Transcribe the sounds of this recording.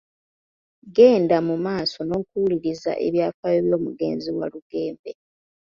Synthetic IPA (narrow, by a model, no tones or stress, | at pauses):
ɡe̞ːndamumaːso̞no̞ːkuuliɾiza̰ʔe̞̰βjaːfajeβjo̞ːmuɡe̞̰ːnziwa̰luɡe̞ːmbe